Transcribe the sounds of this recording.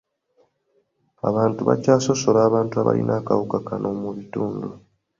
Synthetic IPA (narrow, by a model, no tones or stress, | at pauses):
a̰βaːntuβa̰caːso̞so̞laːβaːntuaβa̰lḭnʔaːkawukakanʔoːmuβituːndu